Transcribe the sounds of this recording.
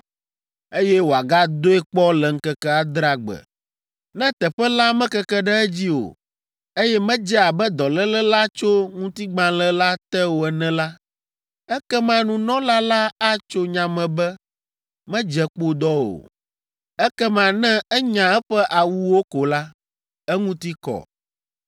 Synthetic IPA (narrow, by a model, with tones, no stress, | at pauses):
e˦jɛ˦wo˨a˨ɡa˦d̪o˦ɛ˦k͡pɔ˦lɛ˨ŋ̩˦kɛ˦kɛ˦a˨d̪ɾa˦ɡ͡bɛ̰˨ | nɛ̃˦t̪ɛ˨ɸɛ˦la˦mɛ̃˦kɛ˦kɛ˦ɖɛ˦ɛ˦d͡ʑi˦o̰˨ | e˦jɛ˦mɛ̃˦d͡ʒɛ˦a˨bɛ˦d̪ɔ˨lɛ˦lɛ˦la˦t͡ʃo˦ŋũ˦t̪i˦ɡ͡bã˨˦lɛ˦la˦t̪ɛ˦wo˨ɛ˨nɛ̃˦la˦ | ɛ˦kɛ˦mã˨nũ˦nɔ̃˦la˦la˦a˦t͡ʃo˦ɲã˨mɛ̃˨bɛ˦ | mɛ̃˦d͡ʒɛ˨k͡po˦d̪ɔ˦wo̰˨ | ɛ˦kɛ˦mã˨nɛ̃˦ɛ˦ɲã˨ɛ˦ɸɛ˦ʔa˨wu˦wo˦ko˨la˦ | ɛ˦ŋũ˦t̪i˦kɔ̰˨